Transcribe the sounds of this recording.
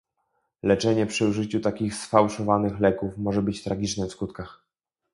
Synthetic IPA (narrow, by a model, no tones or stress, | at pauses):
lɛt͡ʂɛɲɛpʂɘuʐɘt͡ɕut̪akʲixsfawʂɔvanɘxlɛkufmɔʐɛbɘt͡ɕt̪ɾaɡʲit͡ʂnɛfskut̪kax